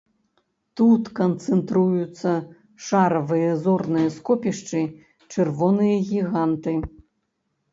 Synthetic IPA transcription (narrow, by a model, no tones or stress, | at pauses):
t̪ut̪kɐnt̪sɛnt̪ɾujut̪sːɐ | ʂaɾɐvɨjɐzɔrnɨjɐskɔpʲiʂt͡ʂɨ | t͡ʂɛrvɔnɨjɐɣʲiɣant̪ɨ